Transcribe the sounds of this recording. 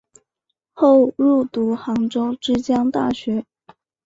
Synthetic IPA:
xo˥˧ʊɻu˥˩t̪u˧˥xɑ˧˥ŋʈ͡ʂo˥ʊʈ͡ʂɻ̩˥t͡ɕjɑ˥ŋt̪a̰˥˩ɕɥɛ˧˥

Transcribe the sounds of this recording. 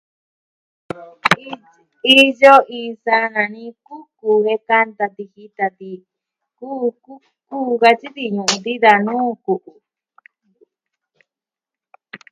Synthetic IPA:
i˦jo˦ʔĩ˧˨˧sa˦nã˨nĩ˦ku˦ku˨he˧ka˦˧nt̪a˧t̪i˧hi˦t̪a˧t̪i˧ | ku˦ku˦ | kuː˦ɣa˧t͡ʃi˦t̪i˧ɲũ˨ʔũ˧d̪i˦ða˧nũː˦ku˨ʔu˨

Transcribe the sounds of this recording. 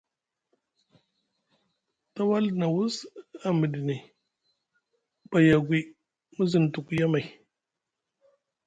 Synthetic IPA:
ta˦wa˦lna˨wu˦sa˨mə˨di˨ni˨ | ba˨ja˨ɡʷi˨ | mu˦zi˨n˨tu˨kja˦ma˨j

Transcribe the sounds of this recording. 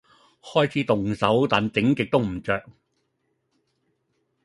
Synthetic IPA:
hɔː˥jt͡sʰiː˨˥t̪ʊ˨ŋsɐ˨˥wt̪aː˨nt͡sɪ˨˥ŋkɪ˨k̚t̪o˥wm̩˨˩t͡sœː˨k̚

